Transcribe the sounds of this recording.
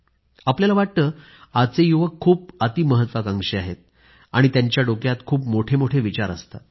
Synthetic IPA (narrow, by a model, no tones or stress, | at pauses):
apljalaʋaʈ̚t̪əː | at͡sejuʋəkʰːuːpat̪iːməɦət̪ʋakaŋɡʂeaɦet̪̚ | a̰ɽ̃it̪jaɲt͡ɕjaɖokjat̪kʰuːpmoʈʰemoʈʰeʋit͡ɕaɾə̰st̪a̰